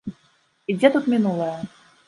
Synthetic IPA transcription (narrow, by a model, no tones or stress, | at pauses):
id͡zʲɛt̪ut̪mʲinulˠəjə